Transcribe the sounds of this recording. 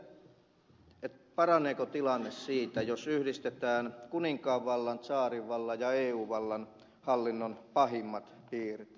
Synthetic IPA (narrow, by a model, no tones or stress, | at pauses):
et̪pɑrɑnˑeːkot̪ilɑnːessiːt̪æjosyhdist̪et̪æːnkuniŋkɑːʋːɑlːɑnt̪sɑːriʋʋɑlːɑjɑeːuːʋɑlːɑn | hɑlːinːonpɑhimːɑt̪piːrt̪